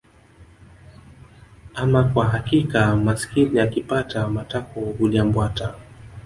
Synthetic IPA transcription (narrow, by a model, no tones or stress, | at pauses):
amakwaɦakikamasi̥kiniakipatamatakɔhulambwata